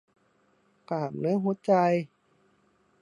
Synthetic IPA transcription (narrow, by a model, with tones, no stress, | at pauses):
kaː˨˩p̚nɯː˦˥ɦu˧˥t͡ɕa˧j